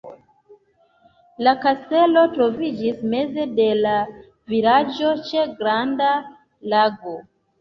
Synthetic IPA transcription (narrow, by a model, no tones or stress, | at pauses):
lakaste̞lo̞tɾo̞vid͡ʒisme̞ze̞de̞la | vilad͡ʒo̞t͡ʃeɡɾanda | laɡo̞